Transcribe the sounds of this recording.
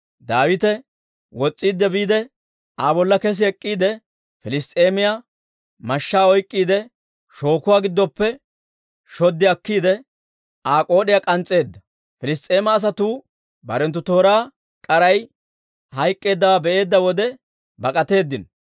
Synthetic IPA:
d̪aːwɪt̪ɛ | wɔt͡sʼːiːd̪ːɛbiːd̪ɛ | aːbɔlːɐkɛs̬ɪɛkʼːiːd̪ɛ | fɪlɪst̪ʼeːmɪja | mɐʃːaːɔjkʼːiːd̪ɛ | ʃo̞ːkʊwaːɡɪd̪ːɔpːɛ | ʃɔd̪ːɪɐkːiːd̪ɛ | aːkʼo̞ːɗɪjakʼɐnt͡sʼːe̞ːd̪ːɐ | fɪlɪs̬t̪ʼe̞ːmɐːs̬ɐt̪uː | bɐɾɛnt̪ːʊt̪o̞ːɾaː | kʼɐɾɐj | hɐjkʼːe̞ːd̪ːɐwaːbɛʔe̞ːd̪ːɐwɔd̪ɛ | bɐkʼɐt̪e̞ːd̪ːɪn

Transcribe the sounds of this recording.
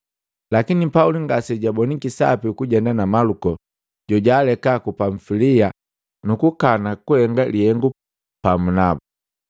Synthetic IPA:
lakinipauliŋɡasɛɟabɔnikisa̰pikuɟɛndanamalukɔ | ɟ̥ɔɟaːlɛkakupaɱfilia | nukukanakuhɛŋɡalihɛŋɡu | pamunabu

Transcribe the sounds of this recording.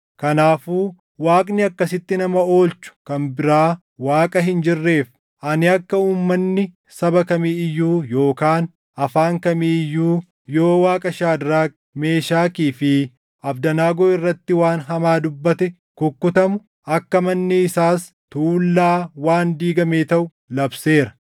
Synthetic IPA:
kɐnaːfuː | waːkʼnɪɐkːɐsɪt̪ːɪnɐmɐo̞ːlt͡ʃːʊ̥kɐnbɪɾaː | waːkʼɐɦɪnd͡ʒɪrːe̞ːf | ʔɐnɪɐkːɐuːmːɐnːɪ | sɐbɐkɐmiːɪjːuːjo̞ːkaːn | ɐfaːŋkɐmiːɪjːuː | jo̞ːwaːkʼɐʃaːd̪ɾaː | me̞ːʃaːkiːfɪ | ʔɐbd̪ɐnaːɡoːɪrːɐt̪ːɪwaːnɦɐmaːd̪ʊbːɐt̪ɛ | kʊkːʊt̪ɐmʊ | ʔɐkːɐmɐnːɪɪsaːs | t̪uːlːaːwaːnd̪iːɡɐmeːt̪ɐʔʊ | lɐbseːɾɐ

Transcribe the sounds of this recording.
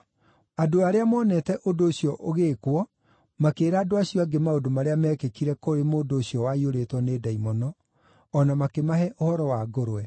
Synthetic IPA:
adoaɾeamɔːnɛtɛʔodoːɕjɔʔoɣeːkwɔ | makeːɾaːdoaɕiɔaɡemaodomaɾeamɛːkekiɾɛkoɾemoːdoːɕjɔwaioɾetwɔneːdaimɔnɔː | namakemaɦɛʔohɔɾɔwaɡoɾoɛ

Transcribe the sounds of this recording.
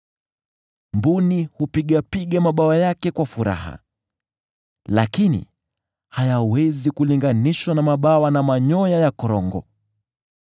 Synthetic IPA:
mbunihupiɠapiɠamaɓawajakɛkwafuɾa̰ha̰ | lakinḭ | hajawɛzikuliŋɡaniʃwanamaɓawanamaɲɔjajakɔɾɔŋɡɔ̰

